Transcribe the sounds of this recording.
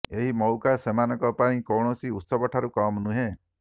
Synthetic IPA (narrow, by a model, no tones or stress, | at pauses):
eɦimɔwkasemanɔŋkɔpaĩkɔwɽ̃ɔsiut̪sɔbɔʈʰaɾukɔmnuɦẽ